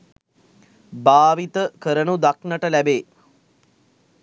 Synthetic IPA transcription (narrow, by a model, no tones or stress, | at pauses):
baːʋit̪əkəɾənud̪aknəʈəlæbeː